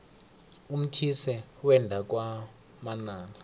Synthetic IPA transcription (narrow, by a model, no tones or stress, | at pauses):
um̩tʰisɛwɛndʱak̬ʼwa | manaːŋa